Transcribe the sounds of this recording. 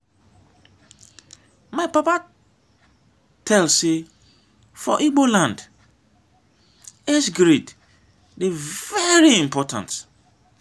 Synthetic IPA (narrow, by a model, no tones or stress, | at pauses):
mãɪpapa | tʰɛlse | fɔ̰ʔiɡ͡bolãnd | esɡɾid | divɛɹiĩmpʰɔtʰã̰nt